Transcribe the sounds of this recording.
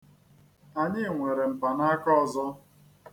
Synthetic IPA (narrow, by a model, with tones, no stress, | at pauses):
a˨ɲɪ˦˨ŋʷe˨ɾe˨m̩˨pa˨na˦kɔ˦˨zɔ˦